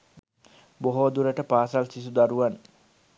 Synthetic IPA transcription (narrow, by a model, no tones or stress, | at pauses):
boɦod̪uɾəʈəpaːsalsis̬ud̪aɾuʋan